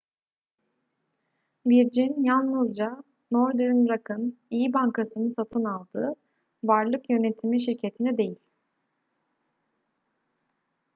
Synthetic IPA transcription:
biɾd͡ʒinjalˠnɯzd͡ʒa | noɾd̪yɾnɾakʰɯnijibaŋkʰasɯnɯsat̪ʰɯnalˠd̪ɯː | vaɾlˠɯkjø̞ne̞t̪ʰimiʃiɾcʰe̞t̪ʰinɛd̪e̞jilʲ

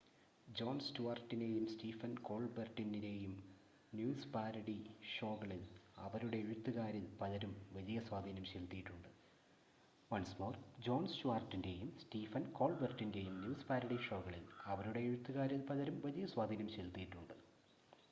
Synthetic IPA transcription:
d͡ʑo̞ːnstuʋaːrtːine̞ːjumstiːfɐnko̞ːɭbɐrtːinine̞jum | njuːspaːɾɐɽiʂo̞ːɣɐɭilɐ̰ʋɐɾuɽe̞eɻut̪ːuɣaːɾilpɐlɐɾumʋɐlijɐswaːd̪ʱiːnɐmɕelt̪ːijiʈːuɳɖɨ | ʋɐnsmo̞ːrd͡ʑo̞ːnsɕuaːrtːinde̞jumstiːfɐnko̞ːɭbɐrʈːinde̞jumnjuːspaːɾɐɽiʂo̞ːɣɐɭilɐʋɐɾuɽe̞ːɻut̪ːuɣaːɾilpɐlɐɾumʋɐlijɐswaːd̪ʱiːnɐmɕelt̪ːijiʈːuɳɖɨ

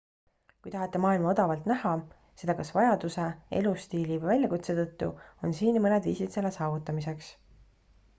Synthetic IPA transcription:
kujt̪ɑɦɑt̪ːˑe̞mɑːilmɑo̞d̪̥ɑvɑlt̪næhɑ | se̞d̪ɑkɑsvɑjɑd̪use̞e̞̰lust̪iːlivɤjvælʲjɑkut̪se̞t̪ɤt̪ˑːuo̞nsiːnmɤned̪vḭːsit̪se̞lːesɑːvut̪ːˑɑmise̞ks

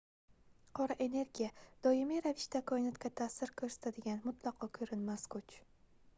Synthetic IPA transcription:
qʰɒɾaʔe̞ne̞ɾɡʲijad̪̥ɒɪmiɾavɪʃt̪akʰɒɪnat̪kʲat̪ʰasɪɾkʰɵɾsḁt̪ʰad̪ɪɡʲanmʊt̪ʰlˠɒqʰɒkʰɵɾɪnmaskʊt͡ʃ

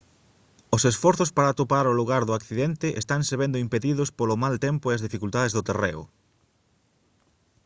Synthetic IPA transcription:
ʊsesfɔɾθʊspaɾat̪opaɾʊluɣaɾðʊakθiðent̪ɪʔḛst̪aŋseβ̞end̪ʊimpeðiðʊspolʊmalt̪empʊeɐzðifikult̪að̞ezðʊt̪erḛʊ̰

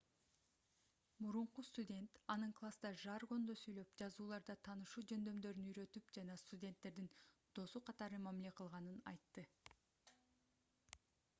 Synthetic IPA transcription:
muɾuɴqust̪udʲe̞nt̪ɑnɯɴklˠasd̪ɑʒɑɾɡo̞nd̪osyjlø̞pd͡ʒɑzuːlˠɑɾd̪ɑt̪ʰɑːnɯʃuːd͡ʒønd̪ø̞md̪ø̞ɾynyjɾø̞t̪ypd͡ʒɑnɑst̪udʲe̞nt̪ːe̞ɾd̪ind̪̥o̞suqʰɑt̪ɑɾɯmæmile̞qʰɯlˠʁɑnɯnɑ̰jt̪ːɯ

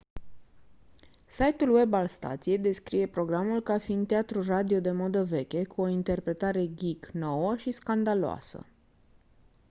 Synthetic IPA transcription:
sajt̪ulwe̞balst̪a̰t̪sije̞jd̪e̞skɾije̞pɾo̞ɡɾamulkafint̪eat̪ɾurad̪io̞d̪e̞mo̞d̪əve̞kʲe̞kuo̞int̪e̞rpɾe̞t̪aɾe̞ɡʲikno̞wəʃiskand̪aloa̰sə̰

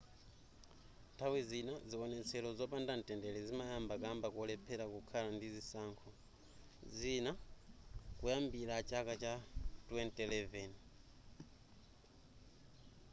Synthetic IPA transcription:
ntʰawizinaziɔnɛt͡sʰɛlɔzɔpandantʼɛndɛlɛzimajambakambakɔlɛpʰɛɾakukʰalandizisaŋkʰɔ | zina | kujambilat͡ʃakat͡ʃatwɛntʼɛlɛvɛn

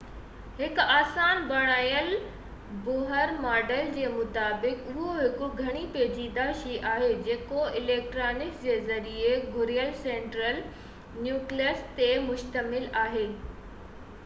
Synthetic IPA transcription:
hɪkaːsaːnbɐɽ̃aːjəl | bʊɦəɾmaːɖəld͡ʑeːmʊt̪aːbɪkʊɦoɦɪkʊɡʱɐɽ̃ipeːd͡ʑid̪aːʃiʔaːɦed͡ʑeːkoɪleːk̚ʈɾaːnɪkd͡ʑeːzɐɾieɡʱʊɾijəlsẽːɳʈɾəl | njuːkliəst̪emʊʃt̪əmɪlaːɦeː

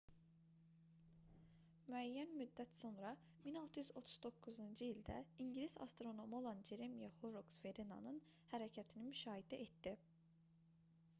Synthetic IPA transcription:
myæjːænmyd̪ːæt̪so̞nɾɑ | minɑlˠt̪ʰɯjyzo̞t̪ʰu̥z̥d̪o̞kʰːuzund͡ʒɯilʲd̪æ̰iɲɟilʲisa̰st̪ɾo̞no̞mo̞lˠɑnd͡ʒeɾemijahoɾoksfeɾina̰nɯn | hæɾɛcʰæt̪ʰinimyʃɑːhid̪æʔet̪ːi

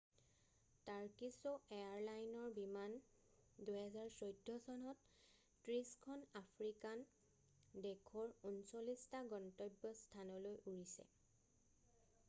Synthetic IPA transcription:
taɹkisueaɹlajnɔɹbiman | dujɦɛzaɹsojdʱːɔsɔnɔtː | ɹiskʰɔnapʰɹikan | dekʰɔɹunsolistaɡɔntɔjbːɔstʰanɔlojuɹisɛ̰

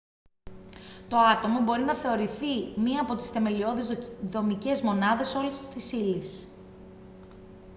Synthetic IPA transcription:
t̪o̞ɐt̪o̞mɐbo̞ɾinɐθe̞o̞ɾiθimiɐːpo̞t̪i̥sθe̞me̞lio̞ðizðo̞mice̞zmo̞nɐðe̞so̞list̪isilis

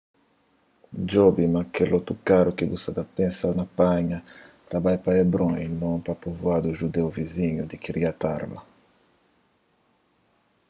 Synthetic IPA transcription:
d͡ʒɔbimakelɔt̪ukaɾukibusad̪apẽsawnapaɲɐ | t̪abajpaɛbɾɔ̃inɔ̃ŋpapovuad̪uʒud̪ewviziɲud̪ikiɾiat̪aɾma̰

